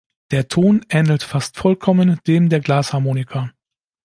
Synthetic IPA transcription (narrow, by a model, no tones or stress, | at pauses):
d̥eːɐtʰoːnʔɛːnl̩tfastfɔlkʰɔmənd̥eːmdeːɐɡlaːshaɐmoːnɪkʰa